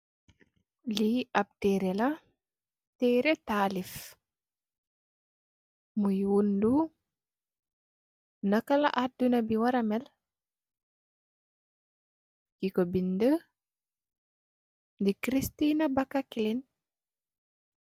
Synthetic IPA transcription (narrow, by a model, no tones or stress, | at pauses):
liɐp̚tɛɾɛla | tɛːɾɛtalif | mujwundu | nakala̰ʔadunabiwaɾɐmɛl | kikɔbində | ndikɾistinabakːakilin